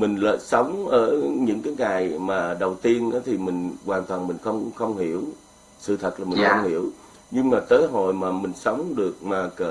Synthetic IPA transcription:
mï˨˩ŋ̟lə̰ː˧˨sə˨˦wŋ͡mʔəː˧˩ɲɨ̰˧˥ŋkaː˨˦jŋaː˨˩jmaː˨˩ɗə˨˩wt̪i˧ənʔaː˨˦t̪ʰi˨˩mï˨˩ŋ̟kwaː˨˩nt̪waː˨˩nmï˨˩ŋ̟xə˧wŋ͡mxə˧wŋ͡mhi˧˩əw | sɨ̰˧˨t̪ʰə˨˩t̚laː˨˩mi˨˩ŋxə˧wŋ͡mhḭ˧˩əw | ɲɨ˧ŋmaː˨˩t̪əː˨˦jɦo̰˧˨jmaː˨˩mï˨˩ŋ̟sə˨˦wŋ͡mɗɨ˨˩ək̚maː˨˩kə˧˩

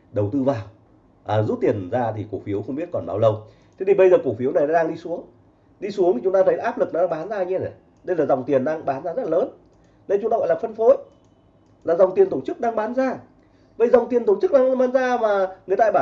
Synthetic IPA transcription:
ɗə˨˩wt̪ɨ˧vaː˨˩w | ʔaː˨˩zu˦˥t̚t̪i˨˩ənzaː˧t̪ʰi˨˩ku˧˩fi˨˦əwxə˧wŋ͡mɓi˦˥ət̚kɔ˨˩nɓa̰˨˦wlə˧w | t̪ʰe˨˦t̪ʰi˨˩ɓə˧jzəː˨˩ku˧˩fi˨˦əwna˨˩jɗaː˨˦ɗaː˧ŋɗi˧su˨˦əŋ | ɗi˧su˨˦əŋʰi˨˩t͡ɕʊ˨˦ŋ͡mtaː˧t̪ʰə˨˦jʔaː˦˥p̚lɨ˨˩k̚nɔ˨˦aː˧ŋɓaː˨˦nzaː˧ɲɛ˧nə˨˩ | ɗə˧jlaː˨˩za˨˩wŋ͡mt̪i˨˩ənaː˧ŋɓaː˨˦nzaː˧zə˦˥tla˨ləː˨˦n | ɗə˧jt͡ɕʊ˦t̪aː˧ɣɔ̰˧˨laː˨˩fə˧nfo˨˦j | laː˨˩za˨˩wŋ͡mt̪i˨˩ənt̪o˧˩t͡ɕɨ˦˥k̚ɗaː˧ŋɓaː˨˦nzaː˧ | və̰˧˩˨jza˨˩wŋ͡mt̪i˨˩ənt̪o˧˩t͡ɕɨ˦˥k̚ɗaː˧ɓaː˨˦nzaː˧maː˨˩ŋɨ˨˩əjt̪a̰ː˧ɓaː˧˩

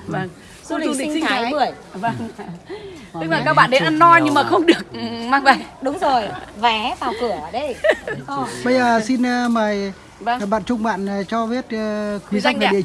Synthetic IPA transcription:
və˧˩ŋ˧ | li˨˧ŋi˧a˨˦jjmɨ˨˩əj | və˧ŋ | ɨ˧ŋmaː˨˩kaː˦˥k̚ɓa̰˧˨nɗe˨˦ʔa˧nːɔ˧jɲɨ˧ŋmaː˨˩xə˧wŋ͡mɗɨ˨˩ək̚ʔɨ˨˩maː˧ŋvə˨˩jɗʊ˨˦wŋ͡mzo˨˩jvɛ˨˦ɓaː˨˩wkɨ˧˩əɗə˧j | ɓə˧jzəː˨˩si˧n˧məː˨˩j | vŋ˩ɓa̰ː˧˨nt͡ɕʊ˧ŋ͡mɓa̰ː˧˨nː˨˩t͡ɕɔ˧vi˦˥ət̚ːkwi˨˦za˧jŋə̰˨˧˨

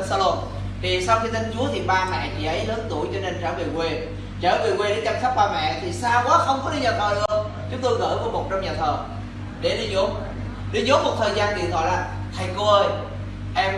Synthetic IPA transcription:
nsaː˧lo˧m | t̪ʰi˨˩sa˧wxi˧t̪ʰi˧ŋt͡ɕu˨˦ət̪ʰi˨˩ɓaː˧mɛ̰˧˨t͡ɕḭ˧˩ʔə˨˦jhəː˨˦nt̪u˧˩ə˨jt͡ɕɔ˧ne˧nt͡ɕəː˧˩ve˨˩kwe˧ | t͡ɕəː˧˩ve˨˩kwe˧ɗe˨˧˦nt͡ɕa˧nsa˦˥k̚ɓaː˧mɛ̰˧˨t̪ʰi˨˩saː˧wkaː˨˦xə˧wŋ͡mkɔ˨˦ɗi˧ɲaː˨˩t̪ʰəː˨˩ɗɨ˧əŋ | t͡ɕʊ˨˦ŋ͡mt̪o˧jɣə̰ː˧˩ku˧˩˦mo˨˩t̚t͡ɕɔ˧wŋ͡mɲaː˨˩t̪ʰəː˨˩ | ɗe˧˩ɗi˧ɲo˨˦ | ɗi˧ɲo˨˦mo˨˩t̚t̪ʰəː˨˩jzaː˧nki˨˩t̪ɔ̰˧˨˦laː˨˩ | t̪ʰə˨˩jko˧ʔəː˧j | ʔɛ˧m

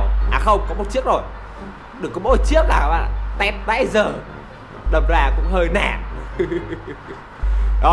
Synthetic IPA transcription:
ʔaː˨˩xə˧wŋ͡mkɔ˨˦mo˨˩t̚t͡ɕi˦˥ək̚zo˨˩j | ɗɨ˨˩ə˩kːɔ˨˦mo̰˧˦˨t͡ɕi˦˥ək̚laː˨˩wʔaː˧˩t̪ɛ˦˥p̚t̪a̰ː˧˥jzəː˨˩ | ɗə˨˩p̚zaː˨˩kʊ̰˧˥ŋ͡mhəː˧jna̰ː˧˩m | ɗɔ˨˦

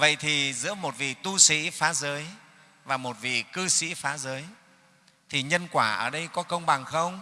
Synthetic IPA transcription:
və̰˧˨jt̪ʰi˨˩zɨ̰˧˥əmo˨˩t̚vḭ˨˩t̪u˧sḭ˧˥faː˨˦zəː˨˦j | vaː˨˩mo˨˩t̚vḭ˧˨˩kɨ˧sḭ˧˥faː˨˦zəː˨˦j | t̪ʰi˨˩ɲə˧nkwaː˧˩ʔə̰ː˧˩ɗə˧jkɔ˨˦kə˧wŋ͡mɓa˨˩ŋxə˧wŋ͡m

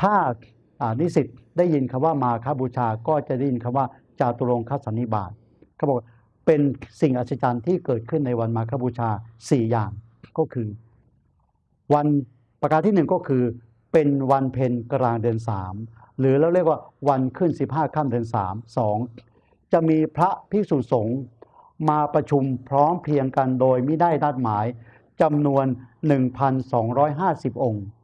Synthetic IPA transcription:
t̪ʰaː˥˩ | ʔaː˨˩niː˦˥˩si˨˩t̪̚daː˥˩ji˧nkʰa˧mwaː˥˩maː˧kʰaː˦˥˩buː˧t͡ɕʰaː˧kɔː˥˩t͡ɕa˨˩ʔda˥˩ji˧nkʰa˧mwaː˥˩ | t͡ɕa˨˩t̪u˧lo˧ŋkʰaː˦˥t̪sa˨˦nːi˦˥baː˨˩t̪̚ | kʰa˥˩bɔː˨˩kwaː˥˩ | pe˧nsi˨˩ŋʔa˨˩t̪sʰa˧t͡ɕa˧nt̪ʰiː˥˩kɤː˨˩t̪̚kʰɯ˥˩nːa˧jwa˧nmaː˧kʰaː˥˩buː˧t͡ɕʰaː˧siː˨˩jaː˨˩ŋ | kɔː˥˩kʰɯː˧ | wa˧n | pa˧kaː˧t̪ʰiː˥˩nɯ˨˩ŋkɔː˥˩kʰɯː˧ | pe˧nwa˧npʰe˧nka˧ɾaː˧ŋdɯ˧ənsa̰ː˩˦m | ɾɯː˩˦lɛː˦˥˩wɾi˥˩ək̚waː˥˩wa˧nkʰɯ˥˩nsi˨˩p̚ɦaː˥˩kʰaː˥˩mdɯ˧ənsa̰ː˩˦msɔː˩˦ŋ | t͡ɕa˨˩ʔmiː˧pʰɾa˦˥pʰi˦˥˩suː˨˩t̪̚so˩˦ŋ | maː˧pɾa˧t͡ɕʰu˧mpʰɾɔː˦˥mpʰli˧əŋka˧ndoː˧jmiː˦˧˥daː˥˩jna˦˥˩t̪̚maː˩˦j | t͡ɕa˧mnu˧ənːɯ˨˩ŋpʰa˧nsɔː˩˦ŋɾɔː˦˥jɦaː˥˩si˨˩p̚ʔo˧ŋ

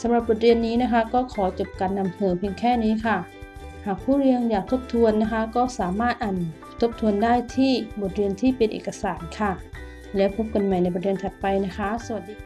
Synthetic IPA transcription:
sa˨˩˦mɾa˧˩p̚bo˨˩t̪̚ɾi˧ənːiː˦˥na˦˥kʰa˦˥kɔː˥˩kʰɔː˩˦t͡ɕo˨˩p̚kaː˨˧nːa˧mhɤː˨˩pʰi˧əŋkʰɛː˥˩niː˦˥kʰa˧˩ | haː˨˩k̚pʰuː˥˩˨ɾi˧əŋjaː˨˩k̚t̪ʰo˦˥p̚t̪ʰu˧ənːa˦˥kʰa˦˥kɔː˥˩saː˩˦maː˥˩t̪̚ʔaː˨˩n | t̪ʰo˦˥p̚t̪ʰu˧əndaː˥˩jt̪ʰiː˥˩bo˨˩t̪̚ɾi˧ənt̪ʰiː˥˩pe˧nʔḛː˨˩ka˧saː˩˦nkʰa˧˥˩ | lɛː˦˥wpʰo˦˥p̚ka˧nma˨˩jna˧jbt̚ɾi˧ənt̪ʰa˨˩t̪̚pa˧jna˦˥kʰa˦˥su˧˩˨t̚i˧

